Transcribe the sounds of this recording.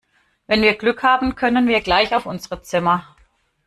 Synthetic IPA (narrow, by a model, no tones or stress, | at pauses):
vɛnviːɐɡlʏkhaːbm̩kʰœnənviːɐɡlaɪçaʊfʔʊnzəʁət͡sɪmɐ